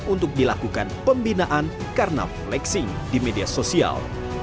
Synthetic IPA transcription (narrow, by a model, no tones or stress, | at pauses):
unt̪ʊk̚dilakukanpəmbinaʔan | karna̰flɛksɪŋdimediasosia̰l